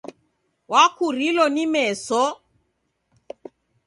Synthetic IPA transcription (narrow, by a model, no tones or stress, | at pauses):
wakʰuɾilɔnimɛsɔ